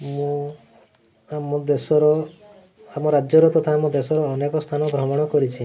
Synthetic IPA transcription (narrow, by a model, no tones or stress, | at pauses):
mũ | amɔd̪esɔɾɔ | amɔɾad͡ʒɔɾɔt̪ɔt̪ʰaamɔd̪esɔɾɔːnekɔst̪ʰanɔbʱɾɔmɔɽ̃ɔkɔɾit͡ʃʰi